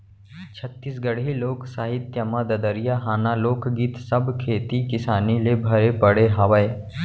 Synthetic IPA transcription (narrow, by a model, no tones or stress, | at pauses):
t͡ʃʰət̪ːiːs̬ɡəɽɦiloːksaːɦɪt̪ːjɐmad̪ɐd̪əɾijaɦaːnaloːkʰɡiːt̪sɐbkʰeːt̪ikɪsaːnilebʱɐɾepəɽeɦaʋəeː